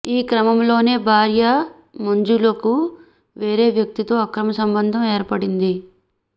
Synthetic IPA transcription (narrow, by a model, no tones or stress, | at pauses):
iːkɾɐmɐmlo̞ːne̞ːbʱaːɾjɐ | mɐɲd͡ʒuloku | ʋeːɾe̞ːʋjɐk̚t̪it̪o̞ːɐkɾɐmɐsɐmbɐnd̪ʱɐmeːɾpɐɽind̪i